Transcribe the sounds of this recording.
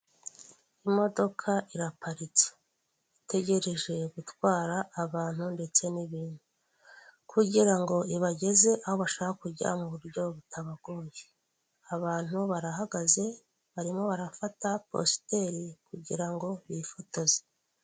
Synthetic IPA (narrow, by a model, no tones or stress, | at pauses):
imo̞do̞kʰaʔiɾapʰaɾit͡se̥ | ite̞ɟe̞ɾe̞ʒe̞ɡutwaːɾaʔːβaːn̥hunde̞t͡se̞niβiːn̥hu | kʰuɟiɾaŋɡo̞iβaɟe̞ze̞ʔaho̞βaʃoaakuɟa̰muβuɾɟo̞βutʰaβaɡoːje | aβaːn̥huβaɾaɦaɡaze̞ | βaɾimo̞βaɾafatapo̞̰ste̞ɾikuɟḭɾaŋɡo̞βifotoze̥